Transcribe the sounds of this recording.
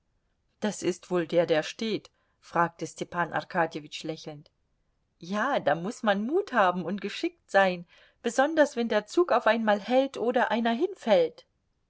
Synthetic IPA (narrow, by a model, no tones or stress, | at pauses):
d̥asɪstv̥oːldeːɐdeːɐʃteːt | fʁ̥aːk̚təstʰɛpʰaːnʔa̰ʁkʰaːdjevɪt͡ʃlɛçl̩nt | jaːd̥aːmʊsmanmuːthaːbm̩ʊntɡ̥əʃɪk̚tz̥aɪn | b̥əzɔndɐsv̥ɛndeːɐt͡suːkaʊfʔaɪnmaːlhɛltʔoːɾɐʔaɪnɐɦɪnfɛlt